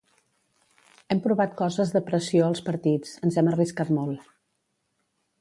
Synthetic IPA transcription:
ɛmpɾuβat̪̚kɔzəzðəpɾəsioəlˠspəɾt̪it͡sənzɛməriskat̪molˠ

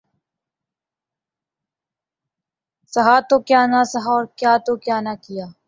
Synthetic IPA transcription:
səɦaːt̪oːkjaːnaːsəɦaːɔːɾkjaːt̪oːkjaːnaːkɪjaː

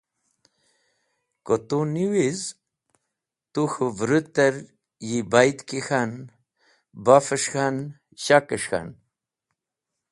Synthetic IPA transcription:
kot̪uniwiz | t̪uxuvɾut̪əɾ | jibajt̪kixan | bafəʂxan | ɕakəʂxa̰n

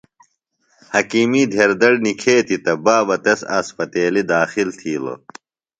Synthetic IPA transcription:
hɐkiːmiːd̪ʱeɾd̪ɐɽnikʰeːt̪it̪ɐbaːbɐt̪ɐsa̰ːspɐt̪eːlid̪aːxilt̪ʰiːlo̰

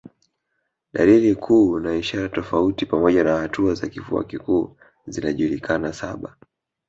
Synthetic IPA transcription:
ɗalilikʰuːnaiʃaɾatɔfautipamɔʄanahatʰuaza̰kifua̰kikuː | zinaʄulikʰanasaɓa

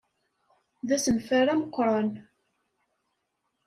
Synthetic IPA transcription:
ðæsənfæɾæməqːɾˤɑn

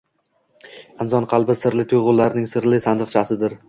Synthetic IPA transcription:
ɪnzɒnqʰɑlˠbɪsɪɾlɪt̪ʰʊjʁʊlˠːaɾnɪŋsɪɾlɪsand̪ɨqt͡ʃʰasɪd̪ɪɾ

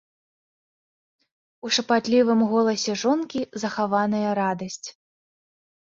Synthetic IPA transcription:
uʂɐpat̪lʲivɨmɣɔlˠɐsʲɛʐɔnkʲizɐxavanɐjɐɾad̪ɐsʲt͡sʲ

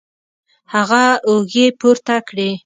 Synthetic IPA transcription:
haɣaoɡepuɾt̪akɽe

